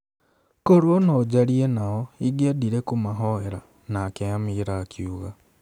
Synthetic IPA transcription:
koɾwonod͡ʒaɾienaoiɡeːdiɾekumaɦoeɾa | naːkeamiɾakʰjuɣa

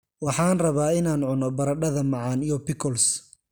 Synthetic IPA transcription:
wɑħɑːnrɐβaːɪnaːnʕʊnɔbɐɾɐɖɐðɐmɑʕɑːnijɔpɪkʰɔls

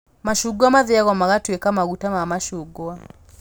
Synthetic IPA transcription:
maʃuɡwamaðɛaɣɔmaɣatwɛkamaɣutamamaʃuɡwa

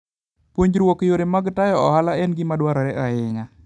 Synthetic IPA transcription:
pwoɲd͡ʒɾwokjoɾemaɡtajɔɔhalaɛnɡɪmadwaɾɔɾɛʔaɪŋa

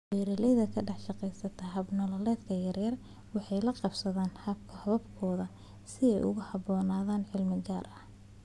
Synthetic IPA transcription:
wɛːɾɐlɛðɐkʰɐɖɑħʃɑqɛjsɐt̪ʰɐɦɐbnɔlɐlɛːd̪kʰɐjɐrjɐr | wɑħɑjlɐqɑbsɐðaːnhɐb̚kʰɐhɐβɐbkʰɔːðɐ | sɪɛ̰jʔʊ̰ɣʊhɐbɔːnaːðaːnʕɪlmɪɡaːrɐh

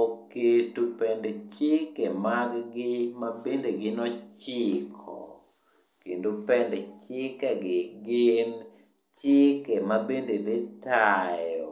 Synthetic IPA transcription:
oketupɛndet͡ʃɪkemaɡɡɪmabendeɡɪnɔt͡ʃɪkʰɔ̰ | kendopɛndet͡ʃɪkɛɡɪɡɪn | t͡ʃɪkɛmabended̪ɪtajɔ

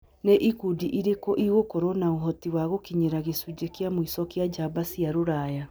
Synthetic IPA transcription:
neʔikudiʔiɾekɔʔiɣokɔɾɔnaoɦɔtiwaɣokiɲeɾaɣesud͡ʑekeamoisɔkejad͡ʒabasijaɾoɾaja

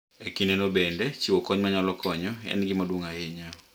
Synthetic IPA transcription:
ekinɛnobɛndɛt͡ʃiwɔkɔɲmaɲalɔkʰɔɲɔɛ̰nɡɪmadwuŋaeɲa

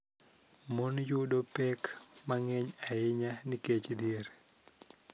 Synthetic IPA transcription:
mɔnjudɔpɛkmaŋɛɲajiɲaniket͡ʃdiɾ

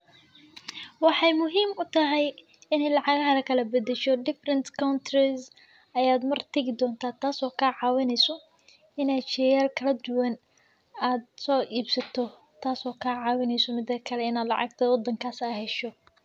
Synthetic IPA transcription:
wɑħɑjmʊɦiːmʊt̪ʰɐɦɛj | ɪnɛjlɑʕɑɣɐɦɐlɐkʰɐlɐbɐd̪ɛʃɔɖɪfrɛnt̪kʰawnt̪ʰrɪs | ɐjaːd̪mɐrt̪ʰɐɣɪd̪ɔːnt̪ʰaːt̪ʰaːsɔːkʰaʕɑːwɪnɛjsɔ | ɪnaːt͡ʃɛjaːlkʰɐlɐd̪ʊwɐn | aːd̪̚sɔːʔiːbsɐt̪ʰɔ | t̪ʰaːsɔːkʰaʕɑːwɪnɛjsɔmɪd̪ɐkʰɐlɛɪnaːd̪lɑ̰ʕɑ̰ɡ̚t̪ʰɐwɔd̪ɐŋkʰaːsaːhɛʃɔ

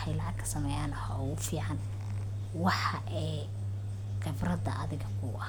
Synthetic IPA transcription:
ħɑjlɑʕɑkʰɐ̥sɐmɛːjaːnhɔwʊfiːʕɑn | wɑħɑʔɛː | qɪbrɐd̪ɐʔɐðɪɣɐkʰʊʔɐ

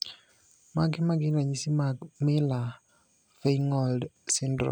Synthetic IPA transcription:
maɡɪmaɡɪnaɲisimamɪla | feŋɔldsɪndɾɔ̰

